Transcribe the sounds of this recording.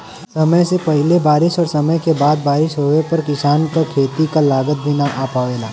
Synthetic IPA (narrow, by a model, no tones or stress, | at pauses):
sɐməjsepɐɦɪlebaːɾɪʃɔːɾsɐməjkebaːd̪̚baːɾɪʃɦoːʋepɐɾkɪsaːnkakʰeːt̪ikalaːɡət̪̚bʱinaʔaːpaʋeːlaː